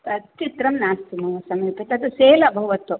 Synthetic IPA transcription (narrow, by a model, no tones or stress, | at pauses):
t̪ɐt̪ːit̪ɾɐmnaːst̪inɐʋɐsɐmepɐt̪ɐt̪useːlɐbʱɐʋɐt̪u